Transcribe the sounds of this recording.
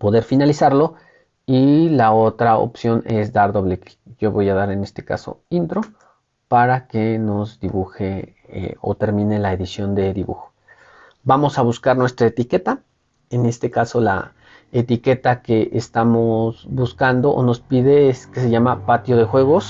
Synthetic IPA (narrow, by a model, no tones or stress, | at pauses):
po̞ðe̞ɾfinalisaɾlo̞ | ilao̞t̪ɾao̰psjo̞ne̞sd̪aɾðoβleke̥ʝo̞βo̞jaðaɾe̞ne̞st̪e̞ka̰so̰int̪ɾo̞ | paɾake̞no̞zd̪iβuxḛ | o̰t̪e̞ɾmĩne̞laeðisjo̞nd̪e̞ðiβṵxo̞̥ | bamo̞saβuskaɾnwe̞st̪ɾaet̪ike̞t̪a | ene̞st̪e̞kaso̞la̰ | et̪ike̞t̪akeʔest̪amozbuskand̪oʔo̰no̞spiðe̞skeseʝamapat̪jo̞ðe̞xwe̞ɣ̞o̞s